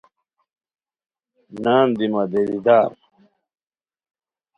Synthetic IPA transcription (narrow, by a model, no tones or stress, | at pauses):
naːmd̪imɐd̪elid̪aːɾ